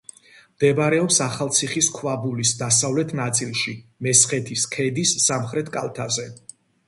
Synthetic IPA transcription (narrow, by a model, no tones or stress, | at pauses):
md̪̥ɛbaɾɛɔpsaχalˠt̪sʰiχiskʰvabulisd̪asavlɛt̪ʰnat̪sʼilˠʃimɛsχɛt̪ʰiskʰɛd̪isːamχɾɛt̪ʰkʼa̰lˠt̪ʰazɛ